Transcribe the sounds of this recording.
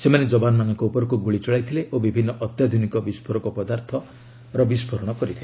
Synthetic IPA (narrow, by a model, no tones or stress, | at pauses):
semaned͡ʒɔbanɔmanɔŋkɔupɔɾɔkuɡuɭit͡ʃɔɭajt̪ʰileʔobibʱinːɔʔɔt̪jad̪ʱunikɔbispʰɔɾɔkɔpɔd̪aɾt̪ʰɔ | ɾɔbispʰɔɾɔɽ̃ɔkɔɾit̪ʰile